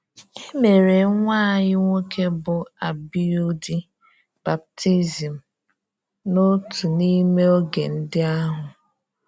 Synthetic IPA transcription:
e˦me˨ɾe˨˦ŋʷaː˦˨ɲɪ˦ŋʷo˦ke˦bʊ˨a˨bi˦o˦di˦ | b̥a˨p̚ti˦zi˨m̩˨ | no˦tu˨ni˦me˦o˦ɡe˨n̩˦dɪ˦a˦ɦʊ˨

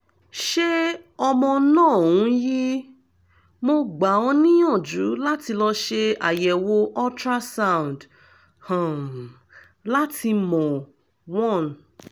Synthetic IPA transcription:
ʃe˦ɔ˧mɔ̃˧nãː˦˨ũ˨˦ji˦ | mo˧ɡ͡ba˨ɔ̃˧nĩ˦ɔ̃˦˨d͡ʒu˨˦la˦ti˧lɔ˧ʃe˧a̰˨jɛ˨wo˧ʔɔ˦tɾa˦sa˦˨w̃nd | hã˨ | la˦tʰi˧mɔ̃˨ | wɔ̃˦˨n˨

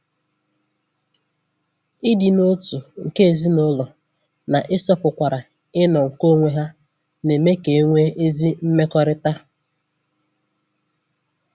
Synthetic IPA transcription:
ɪ˦dɪ˨no˦tu˨ŋ̩˨ke˦e˨zi˦nʊ˦lɔ˨ | na˨ʔɪ˦sɔ˦pʊ˨kʷa˨ɾa˨ | ɪ˦nɔ˨ŋ̩˨ko˦ŋʷe˦ɦa˦ | ne˨me˦ke˨˦ŋʷe˦ʔe˦zi˦m̩˦me˦kɔ˦ɾɪ˦ta˦

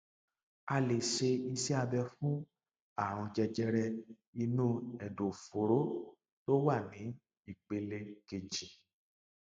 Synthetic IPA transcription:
a˧le˨ʃe˧i˧sɛ˦a˧bɛ˧fũ˦ | a˦˨ɾ̃ũ˧d͡ʒɛ˧d͡ʒɛ˧ɾɛ˧ | i˧nũ˦ɛ˨do˨fo˨ɾo˦ | to˦wa˦˨nĩ˨˦ | i˦˨k͡pe˧le˧ke˨d͡ʒi˨

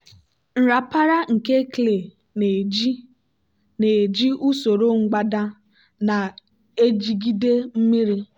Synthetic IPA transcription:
n̩˨ɾa˨pa˦ɾa˦ŋ̩˨ke˦kle˨ | ne˨d͡ʒi˦ | ne˨d͡ʒi˦ʔu˦so˨ɾo˦ŋ̩˦ɡ͡ba˦da˦ | na˨ | e˦d͡ʒi˦ɡi˦de˦m̩˦mi˦ɾi˦

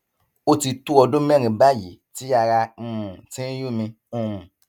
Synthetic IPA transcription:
o˦ti˧tu˦ɔ˧dũ˦m˦ɛ˦˨ɾ̃ĩ˨ba˦˨jḭ˨ti˦a˧ɾa˧ũ˨tĩ˦ju˦˨mĩ˧ | ũ˦˨

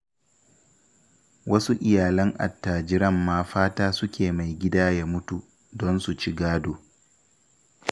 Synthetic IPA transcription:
wɐ˦su˦ʔɪ˨jaː˨lɐ˦ŋʔa̰˨tːaː˨d͡ʒɪ˦ɾɐ˦˨mːaː˦ɸaː˦taː˦sʊ˦kʲʰeː˨ma˨jɡʲɪ˦daː˦jaː˦mʊ˦tu˨ | dɔ˦nsu˨t͡ʃi˦ɡaː˦doː˨

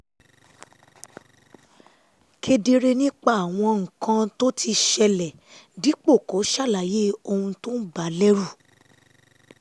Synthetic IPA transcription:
kʰe˧de˧ɾe˧nĩ˦k͡pa˦a˨w̃ɔ̃˧ŋ̩˨kã˧to˦tʰi˧ʃɛ˧lɛ˨ | di˨˦k͡po˦˨ko˨˦ʃa˦˨la˨je˦o˧hũ˧to˦n̩˦ba˨˦lɛ˦ɾu˦˨

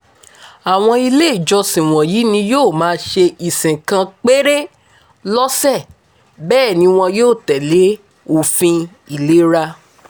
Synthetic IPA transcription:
a˨w̃ɔ̃˧i˧le˦i˦˨d͡ʒɔ˧sĩ˨w̃ɔ̃˨jiː˨˦nĩ˧joː˦˨mãː˨˦ʃe˧ʔi˨sĩ˨kã˧k͡pe˦ɾe˦ | lɔ˦sɛ˦˨ | bɛː˦˨nĩ˧˦w̃ɔ̃˧joː˦˨tɛ˨le˨˦ | o˨fĩ˧ | i˨le˨˦ɾa˧

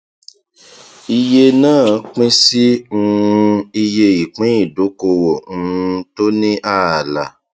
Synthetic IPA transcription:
i˧je˧nãː˦˨˦k͡pĩ˦si˦ŋũ˦˧˦i˧je˧i˨k͡pĩ˨˦i˦˨do˨˦ko˧wõ˨˦˧to˦nĩ˦ʔa˦˨a˨la˨

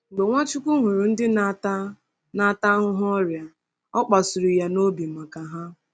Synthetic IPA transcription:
ŋ͡m̩˨ɡ͡be˨ŋʷa˦t͡ʃʊ˦kʷu˦ɦʊ˨ɾʊ˨n̩˦dɪ˦n˦t | na˦˨ta˦ɦʊ˦ɦɔ˦ɔ˦ɾja˨ | ɔ˦k͡pa˨sʊ˨ɾi˨ja˨no˦bi˨ma˨ka˨ɦa˦

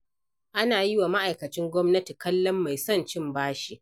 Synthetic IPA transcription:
ʔa˦naː˨jɪ˦wa˨ma˦ʔa˨jkɐ˨t͡ʃɪ˦ŋɡʷɔ˦mnɐ˦ti˨kɐ˦lːɔ˦mːa˨jsɔ˦˨nt͡ʃɪ˦˨mbaː˦ʃi˨ʔ

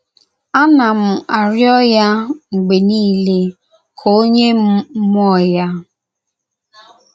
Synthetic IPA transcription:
a˦na˨m̩˨ʔa˨ɾjɔ˦ja˦ŋ͡m̩˨ɡ͡be˨niː˦le˦ | kʰo˦ɲe˦m̩˦m˦ɔ˦˨ja˦

